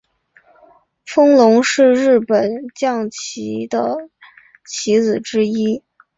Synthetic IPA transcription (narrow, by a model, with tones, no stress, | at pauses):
fɤ˥ŋlʊ˧˥ŋʂɻ̩˥˧ɻɻ̩˥˩pə˨˩nt͡ɕjɑ˥˩ŋt͡ɕʰi˧˥d̪ə̰˧ | t͡ɕʰi˧˥t͡sɹ̩˨˩ʈ͡ʂɻ̩˥i˥